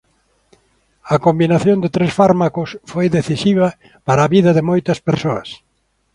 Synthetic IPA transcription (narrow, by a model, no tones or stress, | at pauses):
ɐkombinaθjond̪ɪt̪ɾesfaɾmakʊsfojðeθisiβɐ | paɾaːβiðɐðɪmojt̪ɐspeɾsoɐs